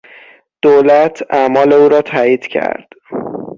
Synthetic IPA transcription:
d̪̥olæt̪ʰæmɒːle̞uːɾɒːt̪ʰæːiːd̪̥cʰæ̰ɾd̪̥

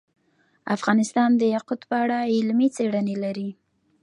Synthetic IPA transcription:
afɣɑnɪst̪ɑnd̪əjaqʊd̪pəaɽaɪlmit͡seɽənelaɾi

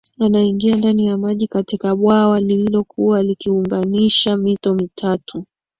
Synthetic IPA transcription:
wanaiŋɡiandanijamaʄikatikaɓwawalililɔkʰuwalikiuŋɡaniʃamitɔmitʰatʰu

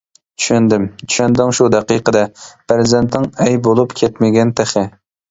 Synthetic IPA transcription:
t͡ʃʰy̥ʃɛnd̪ɪmt͡ʃʰy̥ʃɛnd̪ɪŋʃud̪ɛqiqəd̪ɛpɾɪzɛnt̪nɪŋɛjbolˠupkʲʰɛt̪mɪɡʲɛnt̪ʰeχɪ

